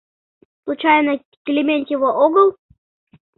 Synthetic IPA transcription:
slˠut͡ɕajnə | kʲɪlʲɪmʲenʲt̪jɪvoʔoɡəlˠ

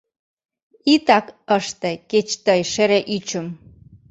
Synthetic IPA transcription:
it̪ɑkəʃt̪eket͡ɕt̪əjʃeɾeʔyt͡ɕəm

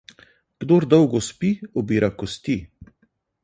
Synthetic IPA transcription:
ɡ̥d̪oɾd̪ɔwɡɔspiɔbiːɾakɔst̪i

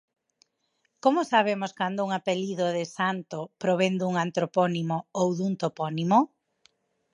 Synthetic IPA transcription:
komʊsaβ̞emʊskand̪ʊuŋapeliðoðɪsant̪opɾoβ̞end̪uŋant̪ɾopɔnimoowðunt̪opɔnimo

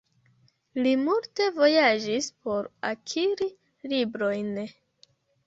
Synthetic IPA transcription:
limulte̞vo̞jad͡ʒispo̞ɾakʰiɾi | libɾo̞jn

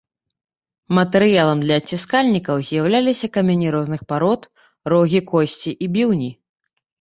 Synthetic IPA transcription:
mɐt̪ɛɾɨjalˠɐmd̪lʲɐːt͡sʲːiskalʲnʲikɐwzʲjawlʲalʲisʲɐkɐmʲenʲiɾɔznɨxpaɾɔt̪ | rɔɣʲikɔsʲt͡sʲiʔibʲiwnʲi

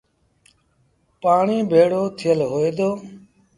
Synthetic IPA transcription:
paːɳiːbʱeːɽoːt̪ʰɪjəlɦoːeːd̪oː

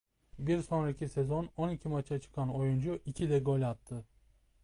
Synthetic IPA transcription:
biɾso̞nɾacʰisezo̞no̞nicʰimat͡ʃʰat͡ʃʰɯ̥kʰano̞jund͡ʒuʔicʰid̪ɛɡo̞lʲat̪ʰːɯ

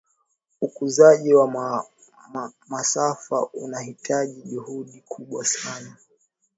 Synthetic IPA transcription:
ukuzaʄiwa | masafa̰ʔṵnahitʰaʄiʄuhuɗikʰuɓwasana

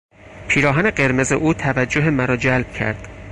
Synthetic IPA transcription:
pʰiːɾɒːɦæneɢe̞ɾme̞zeʔuːt̪ʰævæd͡ʒːoɦemæɾɒːd͡ʒælb̥̚cʰæ̰ɾd̪̥

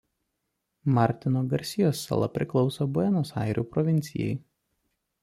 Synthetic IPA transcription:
mɑɾʲt̪ʲɪnoːɡɐɾʲsʲɪjoːsːɐ̰lˠɐ̰pʲɾʲɪklˠɒʊsoːbʊɛnoːsɑ̰ɪɾʲuːpɾɔʋʲɪnʲt̪sʲɪ̰jɛ̰ɪ

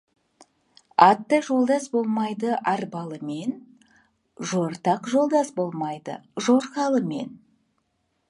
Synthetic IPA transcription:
ɑt̪ːəʒo̞lˠd̪ɑsbo̞lˠmɑjd̪əʔɑɾbɑlˠəme̞n | ʒoɾt̪ɑqʒo̞lˠd̪ɑsbo̞lˠmɑjd̪ə̰ʒo̞ɾqɑlˠəme̞̰n

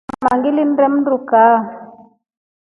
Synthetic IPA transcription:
ma̰ŋɡilin̩ɾɛm̩nɾukaː

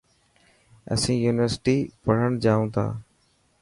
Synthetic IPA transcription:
ə̰sĩːjuːnɪʋəɾsɪʈiːpəɽ̤əɳ̃d͡ʑaːũːt̪ʰa̰ː

